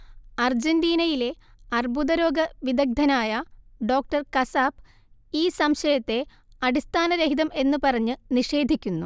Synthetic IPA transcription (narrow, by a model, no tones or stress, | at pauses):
ɐrd͡ʑendiːnɐjile̞ɐrbuðɐɾo̞ːɡɐʋid̪ɐɡ̚d̪ʱɐnaːjɐɖo̞ːk̚ʈɐrkɐsaːb | iːsɐmɕɐjɐt̪ːe̞ | ɐɽist̪ʰaːnɐɾeɦiðɐme̞nːɨpɐrɐɲːɨniʂe̞ːd̪ʱikʲːunːu